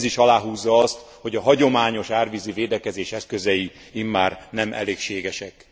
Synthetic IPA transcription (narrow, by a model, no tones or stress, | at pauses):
ziʃɒlaːɦuːzːɒɒst̪ | ho̞ɟɒɦɒɟo̞maːɲo̞ʃaːrviziveːd̪ɛkɛzeːʃɛskøzɛji | imːaːrnɛmʔɛ̰leːkʃeːɡɛʃɛk